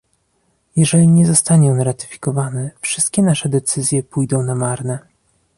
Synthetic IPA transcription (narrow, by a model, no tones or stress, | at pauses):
jɛʐɛlʲiɲɛzɔst̪aɲɛ̃ɾat̪ɘ̥fʲi̥kɔvanɛfʂɘst̪̚kʲɛnaʂɛd̪ɛt̪sɘzʲjɛpujd̪ɔ̃w̃namaɾnɛ